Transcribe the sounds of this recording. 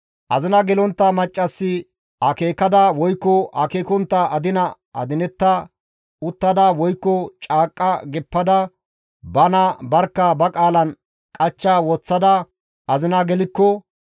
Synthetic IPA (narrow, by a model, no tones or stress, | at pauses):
ʔɐzɪnɐɡɛlɔnt̪ːɐmɐt͡ʃʼːɐsːɪ | ɐkeːkɐd̪ɐwɔjkːɔɐ̰keːkɔnt̪ːɐʔɐd̪ɪnɐ | ɐ̰d̪ɪnɛt̪ːɐ | ʊt̪ːɐd̪ɐwɔjkːɔt͡ʃʼaːkʼːɐɡɛpːɐd̪ɐ | bɐnɐbɐɾkːɐbɐkʼaːlɐn | kʼɐt͡ʃːawɔt͡sːɐd̪ɐ | ʔɐzɪnɐɡɛlɪkːɔ